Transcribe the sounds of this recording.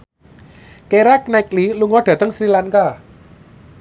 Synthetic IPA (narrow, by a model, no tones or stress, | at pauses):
keɾak̚nakliluŋɔɖ̥ä̤t̪əŋsɾilaŋka